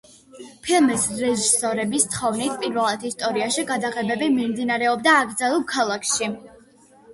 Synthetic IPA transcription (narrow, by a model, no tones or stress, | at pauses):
pʰilˠmisɾɛʒisɔɾɛbist̪ʰχɔvnit̪ʰpʼiɾvɛlˠat̪ʰist̪ʼɔɾiaʃiɡad̪aʁɛbɛbimimd̪inaɾɛɔbd̪aːɡɾd̪zalˠɛlˠkʰalˠakʰʃi